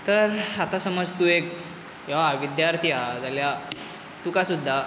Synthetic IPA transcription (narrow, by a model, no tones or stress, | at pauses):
t̪əɾat̪asəməd͡zt̪uːek̚ | ɦeʋaaʋid̪jaɾt̪ʰiad͡zalja | t̪ukasud̪ʱːa